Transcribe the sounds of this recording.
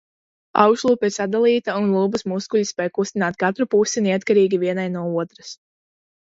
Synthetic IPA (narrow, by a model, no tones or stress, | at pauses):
a̰wkʃlˠuːpiɾsad̪alˠiːt̪aunlˠuːbusmuskuʎʲispʲɛjkust̪inaːt̪̚kat̪ɾupusinɛat̪kaɾiːɡʲiviɛnajnuɔuɔt̪ɾas